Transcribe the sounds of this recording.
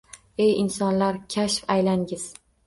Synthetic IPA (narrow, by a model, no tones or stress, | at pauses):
ejɪnsɒnlaɾkʲʰaʃfajlaŋɡʲɪz̥